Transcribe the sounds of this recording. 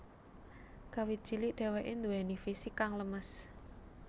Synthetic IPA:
kawi̥ʒ̥iliʔɖ̥ɛ̤wɛʔend̪uɛnifisikaŋləməs

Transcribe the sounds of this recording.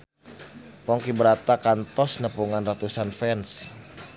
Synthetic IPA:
pɔŋkibəɾat̪akant̪ɔsnəpuŋanrat̪usanfɛns

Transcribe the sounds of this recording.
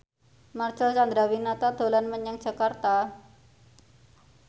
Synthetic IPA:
mart͡ʃəlt͡ʃand̪ɾawinat̪ad̪̥o̤lanməɲaŋ̥ʒ̥a̤kart̪a

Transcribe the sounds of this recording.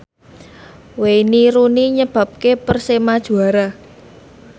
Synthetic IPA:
weniɾuniɲəb̥ä̤p̚kepərsemad̥ʒ̥ṳaɾa

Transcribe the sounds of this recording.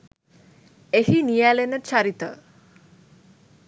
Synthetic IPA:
eɦinijalenət͡ʃʰaɾit̪ə̰

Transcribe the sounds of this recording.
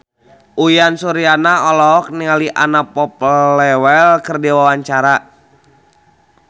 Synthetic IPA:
ʔujansuɾianaɔlɔk̚niŋaliʔanapɔplɛwɛlkərdiwawaɲt͡ʃaɾa

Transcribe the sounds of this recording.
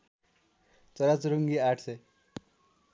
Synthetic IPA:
t͡sʌɾat͡sɾuŋɡiaʈʰse

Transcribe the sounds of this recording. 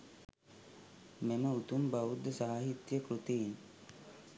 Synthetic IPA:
meməut̪umbaʋud̪ːəsaɦaɦit̪jəkɾut̪ein

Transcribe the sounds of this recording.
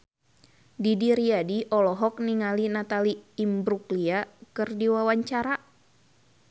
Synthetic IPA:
didiɾiadiʔɔlɔɦɔk̚niŋalinat̪aliːmbɾukliakɨrdiwawaɲt͡ʃaɾa

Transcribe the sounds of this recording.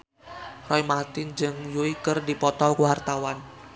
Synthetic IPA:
rɔjmat̪ɪnd͡ʒɨŋjuikərdipɔt̪ɔlkuwart̪awan

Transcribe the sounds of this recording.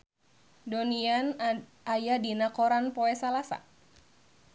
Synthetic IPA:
donian | ajadinakɔɾanpɔɛsalasa̰

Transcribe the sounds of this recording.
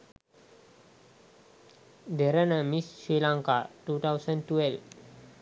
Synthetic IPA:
dɛɾanəmissɾilãŋkatut̪awsə̃ntuɛlf

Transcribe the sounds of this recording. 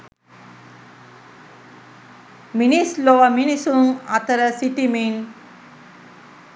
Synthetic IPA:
minisloʋɐminisunat̪əɾəsiʈimin

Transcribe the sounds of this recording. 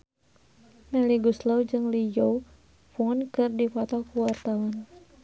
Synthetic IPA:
mɛliɡuslɔwd͡ʒɨŋlijow | funkɨrdifɔt̪ɔkuwart̪awɔn

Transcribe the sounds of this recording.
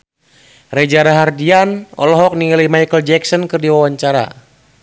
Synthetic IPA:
rɛd͡ʒaɾaɦardianɔ̰lɔɦɔk̚niŋlimajkəld͡ʒɛksɔnkɨrdiwawaɲt͡ʃaɾa̰

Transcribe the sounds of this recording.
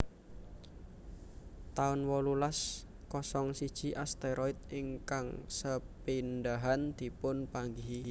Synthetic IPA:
t̪aʊnwɔlulas | kɔsɔŋsid̥ʒ̥i̤ʔast̪eɾɔɪt̪̚iŋkaŋsəpindaɦand̪̥i̤pʊnpaŋɡiɦi

